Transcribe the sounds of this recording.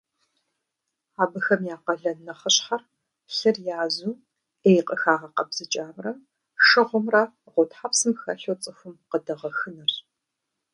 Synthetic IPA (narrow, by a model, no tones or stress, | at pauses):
aːbɨxɐmjaːqɐɮɐnːɐχɐɕħɐr | ɬɐrjaːzuː | ejqʼəxaːʁɐqɐbz̥ɨt͡ʃʼaːmrɐ | ʂɨʁʷʊmrɐ | qʷʊtħaːpsɨmxɐɬowt͡sʼɨxʷʊmqədɐʁɐxɨnɐr